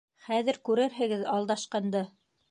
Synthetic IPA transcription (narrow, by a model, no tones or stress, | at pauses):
χæðɘ̆ɾkʉɾɘɾɦɘ̆ɡɘðɑlˠd̪ɑʃqɑnd̪ɤ